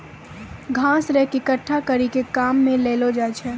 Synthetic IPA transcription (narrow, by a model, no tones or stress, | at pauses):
ɡʱãːsɾɛɦkikəʈʰːakɐɾikekaːmːẽleːlod͡ʒaːt͡ʃʰɛː